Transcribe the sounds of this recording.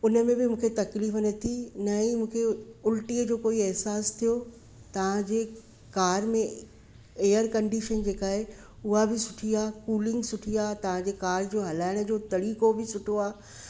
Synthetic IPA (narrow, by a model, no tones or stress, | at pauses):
ʊnə̆mẽbɪmũːkʰet̪ɐkliːfənɐt̪ʰinɐĩmũːkʰeʊlʈiəd͡ʑoːkoːiɛɦsaːst̪ʰijo | t̪ɐʋ̤ãd͡ʑeː | kaːɾmẽ | eːəɾkɐ̃ɳɖiːʃənd͡ʑeːkaːɦe | ʊɦabɪsʊʈʰijaːkuːlɪ̃ŋɡsʊʈʰiaːt̪ɐʋ̤ãd͡ʑeːkaːɾd͡ʑoːɦɐlaːɪɽ̃ə̆d͡ʑoːt̪ɐɽiːkobɪsʊʈʰoaː